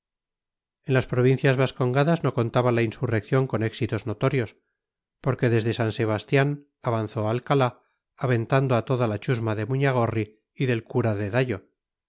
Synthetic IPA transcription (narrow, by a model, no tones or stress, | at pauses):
e̞nlaspɾo̞β̞inθjazβasko̞ŋɡaðazno̞ko̞nt̪aβalainsure̞kθjo̞ŋko̞ne̞ksit̪o̞zno̞t̪o̞ɾjo̞s | po̞ɾke̞ðe̞zðe̞sanse̞β̞ast̪jan | aβanθo̞alkala | aβe̞nt̪and̪oat̪o̞ðalat͡ʃuzmaðe̞muɲaɣ̞o̞ri | iðe̞lkuɾaðe̞ðaʎo̞